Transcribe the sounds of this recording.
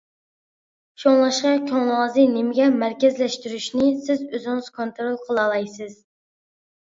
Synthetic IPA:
ʃoŋlˠɑʃqɑkʲʰoŋlˠɑzɨnɪmɪɡʲɛmæɾkʲɛzlɛʃt̪yɾyʃnɪsɪzøzɪŋɨz̥kʰont̪ɾolˠqʰəlˠɑlˠɑjsɪz̥

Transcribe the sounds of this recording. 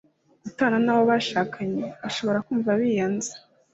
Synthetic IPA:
ɡutaːnanawoβaʃaːkʰaɲeβaʃo̞βo̞ɾakuːɱvaβijaːnzḁ

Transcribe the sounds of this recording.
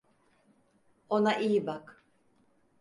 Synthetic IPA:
onaʔijibak

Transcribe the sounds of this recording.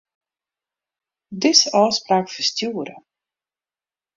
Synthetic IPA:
dɪsɑːspraːkfəstjuəɾə̰

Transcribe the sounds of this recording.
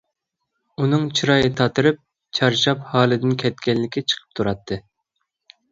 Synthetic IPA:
unɨŋt͡ʃʰiɾɑjɨt̪ʰɑt̪ʰɨɾɨp̚ | t͡ʃʰɑɾʃɑphɑːlˠɨd̪ɪnkʲʰɛt̪̚kʲɛnːɪkʲɪt͡ʃʰə̥qʰə̥p̚t̪ʰuɾɑt̪ʰːɨ

